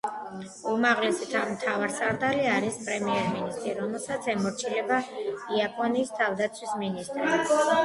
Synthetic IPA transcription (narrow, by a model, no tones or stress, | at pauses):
umaʁlɛsit̪ʰamt̪ʰavaɾsaɾd̪aliaɾispʼɾɛmiɛɾminist̪ʼɾiɾɔmɛlˠsat̪sʰɛmɔɾt͡ʃʰilɛbaiapʼɔniːst̪ʰavd̪at̪sʰwisminist̪ʼɾi